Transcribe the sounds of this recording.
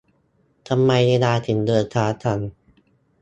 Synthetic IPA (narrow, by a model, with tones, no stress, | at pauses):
t̪ʰa˧mːa˧jde˧naː˧t̪ʰɯ˩˦ŋdɤː˧t̪ʰaː˦˥t̪ʰa˧˩n